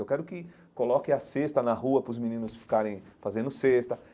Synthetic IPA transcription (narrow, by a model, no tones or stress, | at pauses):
ewkɛɾʊkɪ | kolɔkẽɐsest̪ɐnɐɦuɐpɾʊzminĩnʊsfi̥kaɾẽj̃fazẽnd̪ʊsest̪ɐ